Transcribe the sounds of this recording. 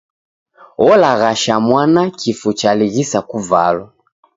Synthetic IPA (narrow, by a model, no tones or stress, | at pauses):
ɔlaɣaʃamwanakʰifut͡ʃaliɣisakuvalwa